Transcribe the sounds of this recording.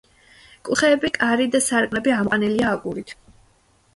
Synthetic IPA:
kʼuχɛːbikʼaɾid̪asaɾkʼnɛbiamqʼaniliaːkʼuɾit̪ʰ

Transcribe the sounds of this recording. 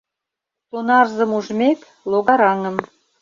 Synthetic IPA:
sonɑrzə̆muʒmʲek | lˠoɣɑɾɑŋə̆m

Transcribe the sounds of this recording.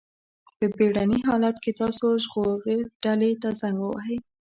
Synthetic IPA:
pəbeɽaniɦɑlat̪ket̪ɑsoʒɣoɾeɖalet̪azaŋɡwa̰ɦəj

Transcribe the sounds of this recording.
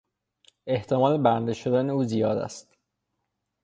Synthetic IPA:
e̞ht̪ʰemɒːlebænd̪eʃod̪æne̞uːzijɒːd̪æ̰st̪

